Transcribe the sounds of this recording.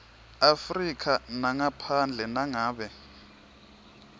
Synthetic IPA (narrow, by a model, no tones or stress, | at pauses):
afrikʰanaŋapʰand͡ɮʱɛnaŋaːɓɛ